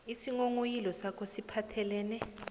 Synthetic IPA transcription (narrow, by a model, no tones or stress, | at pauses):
isiŋoŋojilɔsakʰɔsipʰatʰɛlɛːnɛ